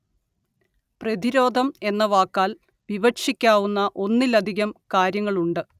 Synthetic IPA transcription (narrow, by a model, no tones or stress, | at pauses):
prɐd̪iɾo̞ːd̪ʱɐme̞nːɐʋaːkːaːl | ʋiʋɐkʂikʲːaːwunːɐʔo̞nːilɐd̪ʱiɣɐmkaːɾjɐŋːɐɭuɳɖɨ